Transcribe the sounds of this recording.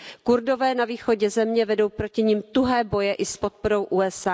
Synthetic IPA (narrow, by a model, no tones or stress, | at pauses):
kuɾdo̞vɛːnaviːxo̞ɟɛzɛmɲɛvɛdo̞wpɾocɪɲiːmt̪uɦɛːbo̞jɛʔɪspot̪̚po̞ɾo̞wʔuɛsa